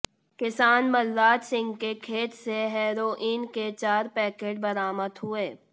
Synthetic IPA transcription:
kɪsaːnməlːaːd͡ʒsɪ̃ŋɡkekʰeːt̪seɦɛːɾoːʔiːnket͡ʃaːɾpɛːkeːʈ̚bɐɾaːməd̪ɦʊeː

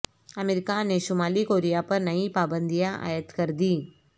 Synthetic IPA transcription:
ɐmeɾɪkanẽʃʊmaːlikoːɾijapɐɾnɐipaːbə̃nd̪ijãʔa̰ːjət̪kɐɾd̪iː

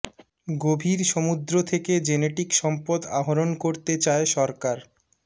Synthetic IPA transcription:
ɡobʱiɾʃomud̪ɾot̪ʰeked͡ʑeneʈikʃɔmpod̪a̰ɦoɾonkoɾt̪et͡ɕaeʃɔɾkaɾ

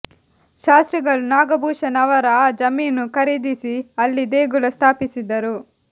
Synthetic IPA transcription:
ʃaːst̪ɾiɡɐɭunaːɡɐbʱuːʃɐnɐʋɐɾɐd͡ʒɐmiːnːukɐɾid̪isiɐlːid̪eːɡulɐst̪ʰaːpisid̪ɐɾu

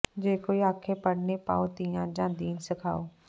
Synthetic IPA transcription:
d͡ʒeːkoːiaːkʰepəɽnepa̰ːot̪ijãːd͡ʒãːd̪iːnsəkʰa̰ːoː

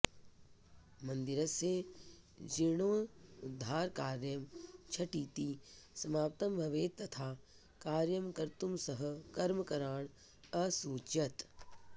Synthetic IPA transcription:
mɐ̃nd̪iɾɐse | d͡ʒiɳ̃oːʊd̪ʱːaːɾkaːɾjɐmt͡ʃʰɐʈiːt̪isɐmaːp̚t̪ɐmbʱɐʋeːt̪ːɐt̪ʰaː | kaːɾjɐmkɐɾt̪umsɐɦɐkɐɾmkɐɾaːɳ̃ | ɐsuːt͡ʃɐt̪

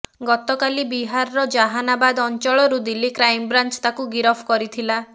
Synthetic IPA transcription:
ɡɔt̪ɔkalibiɦaɾːɔd͡ʒaɦanabad̪ɔnt͡ʃɔɭɔɾud̪ilikɾajmbɾant͡ʃt̪akuɡiɾɔpʰkɔɾit̪ʰila

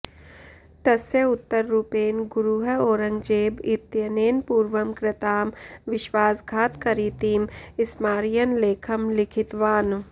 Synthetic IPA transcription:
t̪ɐseʊt̪ːəɾːupeːnɡʊɾuːɦəoːɾə̃ŋɡd͡ʒeːbɪt̪jəneːnpuːɾʋəmkɾɪt̪aːmʋɪʃʋaːsɡʱaːt̪kɐɾiːt̪iːmɪsmaːɾɪjənleːkʰɐmlɪkʰɪt̪ʋaːn

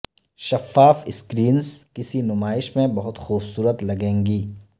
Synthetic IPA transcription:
ʃɐfːaːfɪskɾiːnzkɪsinʊmaːɪʃmẽbɐɦʊt̪xuːbsuːɾət̪lɐɡẽːŋɡiː

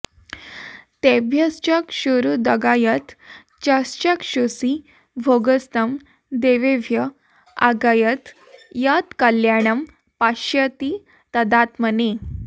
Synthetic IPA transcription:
t̪ebʱjəst͡ɕəkɕuɾud̪əɡajət̪ | t͡ɕast͡ɕəkɕosi | bʱoɡəst̪əm | d̪eʋeʋjə | a̰ɡajət̪ | jat̪kəljaɽ̃əm | paɕjət̪i | t̪əd̪at̪məne

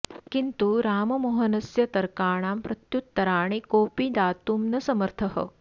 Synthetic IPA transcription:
kint̪uɾaːmɐmoɦɐnɐsjɐt̪ɐɾkaːɳ̃aːmpɾɐt̪jut̪ːɐɾaːɳ̃ikoːpid̪aːt̪uːmnɐsɐmɐɾt̪ʰɐɦə̰

